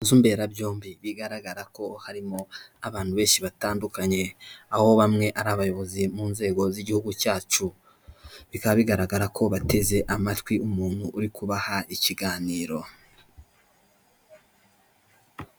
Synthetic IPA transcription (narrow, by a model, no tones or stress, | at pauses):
zumbe̞ːɾabjo̞ːmbiβiɡaɾaɡaɾako̞haɾimo̞aβaːn̥huβe̞ːnʃiβataːndukaɲe̞aho̞βamŋe̞ʔaɾaːβajo̞βo̞zimuːnze̞ːɡo̞ziɟihuɡucaːt͡ʃu | βikaβaβiɡaɾaɡaɾakʰo̞βate̞ze̞ʔamatwiumuːn̥huʔːɾikuβahaiciɡaːniːɾo̞